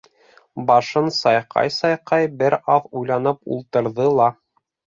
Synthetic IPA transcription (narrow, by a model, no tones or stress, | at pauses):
bɑʃɤnsɑjqɑ̰jsɑjqɑjbɘɾɑθujlˠɑn̪ɤpṵlˠt̪ɤ̆ɾðɤlˠɑ